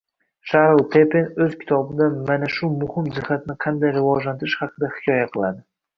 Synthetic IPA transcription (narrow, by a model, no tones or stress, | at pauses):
ʃahɾlˠt̪ʰepenɵz̥kʲʰɪ̥t̪ʰɒbɪd̪anmanaʃʊmʊhɪmzɪhːat̪ɪnɪqʰɑnd̪ajɾɪvɒd͡ʒlant̪ɪɾɪʃhɑqʰɨd̪ahɪkʲʰɒjaqʰɨlˠad̪ɪ